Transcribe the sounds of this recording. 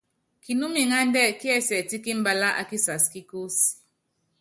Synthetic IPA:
ki˨nu˦mi˨ŋa˦n˦dɛ˦˨ki˦ɛ˦˨sɛ˨ti˦ki˦m̩˦ba˦la˦ʔa̰˨ki˦sa˨ski˦ku˦s

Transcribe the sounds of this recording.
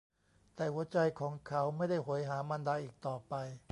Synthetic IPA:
t̪ɛː˨˩hu˩˦ɐt͡ɕa˧jkʰɔː˩˦ŋkʰa˦˥wma˥˩jda˥˩jɦo˩˦jɦaː˩˦ma˧ndaː˧ʔiː˨˩k̚t̪ɔː˨˩pa˧j

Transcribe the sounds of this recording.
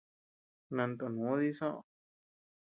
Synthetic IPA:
nã˧nt̪o˧nũ˨˦ði˦˧sõ˦ʔ

